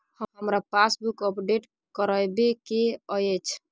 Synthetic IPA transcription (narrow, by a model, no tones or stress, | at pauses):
həɦəmɾapasbukəpɖeʈ | kəɾəjbekeəjət͡ʃʰ